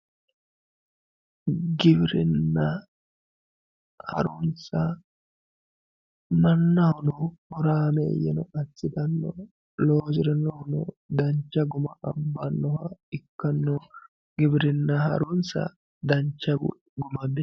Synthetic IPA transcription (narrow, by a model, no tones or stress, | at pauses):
ɡɪbɪɾɪnːɐ | hɐ̰ɾʊnsɐ | mɐnːɐhɔnɔhɔɾaːmḛːjɛ̰nɔʔɐt͡sːɪt̪ɐnːɔ | loːd͡ʒɪɾɛnɔhɔnɔ̰ | d̪ɐɲt͡ʃːɐɡʊmɐʔɐbːɐnːɔhɐɪkːɐnːɔ | ɡ̥ɪbɪɾɪnːɐhɐ̰ɾʊnsɐ̰ | d̪ɐɲt͡ʃːɐ̰ | ɡʊmɐbɪ